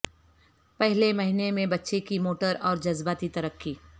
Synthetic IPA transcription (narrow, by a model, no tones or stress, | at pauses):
pɛɦlemɐɦinemẽbɐtːʃekimoːʈəɾɔːɾd͡ʒɐzbaːt̪it̪ɐɾəkːiː